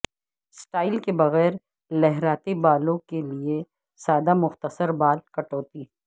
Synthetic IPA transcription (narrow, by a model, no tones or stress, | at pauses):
sʈaːɪlkebɐɣɛːɾ | lɛɦɾaːt̪ebaːlõkelie | saːd̪amʊxt̪əsəɾbaːlkɐʈoːt̪i